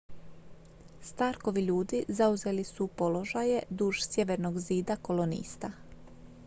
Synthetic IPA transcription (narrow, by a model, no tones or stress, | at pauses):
st̪aːɾko̞ʋiʎuːd̪izauze̞lisupo̞lo̞ʒaje̞d̪uːʒsje̞ʋe̞ɾnoɡziːd̪ako̞lˠo̞nḭːst̪a